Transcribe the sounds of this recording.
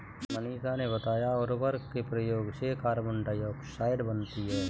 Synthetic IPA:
məniːsanebɐt̪aːjaɔːɾʋəɾkkepɾəjoːɡsekaːɾmə̃ɳɖajoksaːɪɖbənt̪iɦɛː

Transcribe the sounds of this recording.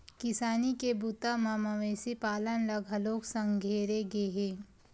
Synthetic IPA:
kɪsaːnikebut̪amamaʋeːsipaːlənlɐɡɦɐloːksɐ̃ŋɡʱeːɾeɡeɦeː

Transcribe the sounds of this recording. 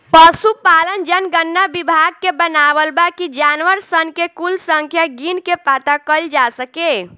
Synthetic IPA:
pəsupalənd͡ʒənɡənːabibʱaɡ̚kebənabəlbakid͡ʒanʋəɾsənkekulsəŋkʰjaɡinkepat̪akəld͡ʒasəke

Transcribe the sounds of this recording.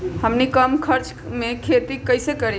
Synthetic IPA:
həmnikəmkʰəɾt͡ʃ | mekʰet̪ikəjsekəɾe

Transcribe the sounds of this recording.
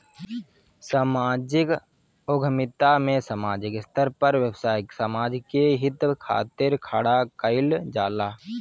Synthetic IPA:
samaːd͡ʒɪk | oɡʱəmɪt̪amẽsəmaːd͡ʒɪkɪst̪əɾpəɾʋjəwsaːɪksəmaːd͡ʒkeɦɪt̪kʰa̰ːt̪ɪɾkʰaːɽakəɪld͡ʒaːlaː

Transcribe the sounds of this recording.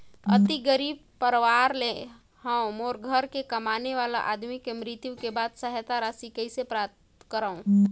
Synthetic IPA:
ə̰t̪iɡəɾib̚pəɾʋaɾle | hə̃wmoɾɡʱəɾkekəmaneʋala̰ʔad̪mikemɾit̪jũkebad̪səɦjət̪aɾasikəisepɾap̚t̪kəɾəũ

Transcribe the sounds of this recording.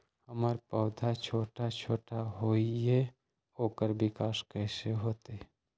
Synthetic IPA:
həmaːɾpəʊd̪ʱat͡ʃʰoːʈat͡ʃʰoːʈaɦoːiɛ | oːkəɾbɪkaːskɛːseɦoːt̪e

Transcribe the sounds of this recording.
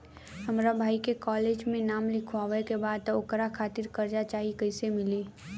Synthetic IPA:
ɦəmɾabʱaːikekɔːleːd͡ʒmẽnaːmlɪkʰwaːʋekebaːd̪̚t̪ʊkɾakʰaːt̪ɪɾkəɾd͡ʒat͡ʃaːɦikəɪsemɪleː

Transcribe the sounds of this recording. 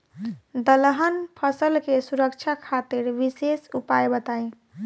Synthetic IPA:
d̪əlɦənpʰəsəlkesuɾəkt͡ʃʰakʰat̪iɾʋisesupajbət̪aj

